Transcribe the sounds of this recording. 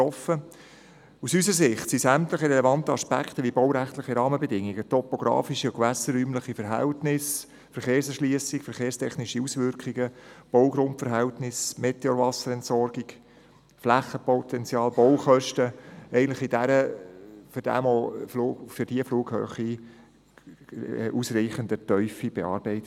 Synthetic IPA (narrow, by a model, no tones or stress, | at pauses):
ɔfə | usysəɾs̬ɪχtsisæmt̪ləχəɾɛlɛvɑnt̪əɑspæ̰kχt̪əʋibɔʊwɾæχt̪ləχiɾɑːməbɛdɪŋːiɡ̥ət̪ɔpoɡ̥ɾɑ̰ːfiʃiʊkʋæsəɾːyːmləχifɛɾɦæ̰ltnɪs | fɛɾχeːɾsɛʃliəsikfəɾχeːɾstʰɛχnɪʃiusʋʏɾkχiɡəb̥ɔwɡɾʊntfɛɾɦɛltnɪsmet̪eovɑsəɾɛntsɔɾɡiɡ | flæχːəpɔt̪ɛnt͡sjɑːlb̥ɔwχœʃtəɛɪɡən̩tləχid̥æɾəfʏɾd̥æ̰mɔflufʏɾd̥iəfluːɡhø̰ːχi | ʔusɾiːχənd̪ətœʏfib̥ɛɑ̰ːɾbɛɪt